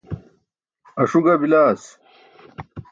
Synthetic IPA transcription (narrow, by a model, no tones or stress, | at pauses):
ɐʂuɡɐbilaːs